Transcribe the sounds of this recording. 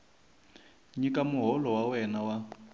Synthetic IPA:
ɲikamuɦɔlɔwawɛnawa

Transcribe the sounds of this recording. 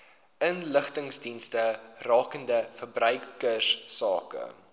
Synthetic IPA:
ʔənləχtəŋsdinstərɑːkəndəfərbrœɥkəsːɑ̰ːkə̰

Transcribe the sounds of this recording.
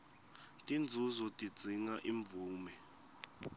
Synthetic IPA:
tʼind͡zʱuzɔtʼi̥d͡zʱiŋaʔiɱb̪vuːmɛ

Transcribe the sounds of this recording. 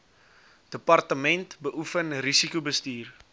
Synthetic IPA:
d̥əpɐrtəmɛntbəʔufənrisikubəstiːr

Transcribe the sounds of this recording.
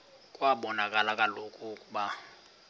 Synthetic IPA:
kʼwaɓɔnakʼalakʼalokʼukʼuba

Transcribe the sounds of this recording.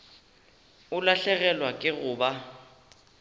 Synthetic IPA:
ʊlaɬɛɣɛlwakʼɪɣʊːba

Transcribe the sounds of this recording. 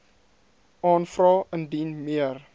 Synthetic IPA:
ʔɑːnfrɑːəndinmiər

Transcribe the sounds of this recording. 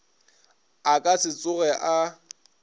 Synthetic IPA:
akʼasɪt͡sʼʊɣɛʔa

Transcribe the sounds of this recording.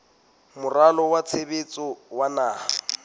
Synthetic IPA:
mʊralɔwat͡sʰebet͡sʼɔwanaːha

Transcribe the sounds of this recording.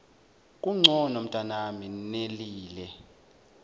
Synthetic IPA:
kʼuŋ͡ǀʱɔnom̩tʼanamineliːlɛ

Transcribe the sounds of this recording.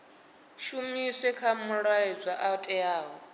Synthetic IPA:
ʃumiswɛkʰamuɺaɛzʷaʔatʼɛjaːɦɔ

